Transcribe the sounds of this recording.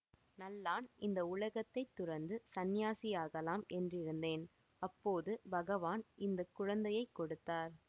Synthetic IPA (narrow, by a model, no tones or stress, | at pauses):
nɐlːaːnʔɪnd̪ɐʊɭɐɣɐt̪ːɐɪt̪ːʊɾɐɾnd̪ɯsɐnɪjaːsɪjaːɣɐlaːmɛndrɪɾɯnd̪eːn | ɐpːoːðɯbɐɣɐʋaːnʔɪnd̪ɐkːʊɻɐnd̪ɐjɐɪkːɔɽɯt̪ːaːɾ